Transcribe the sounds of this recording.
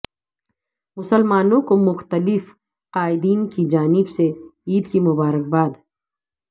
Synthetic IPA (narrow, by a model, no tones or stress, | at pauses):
mʊsəlmaːnõkomʊxt̪əlɪf | qaːɪd̪iːnkid͡ʒaːnɪbseiːd̪kimʊbaːɾək̚baːd̪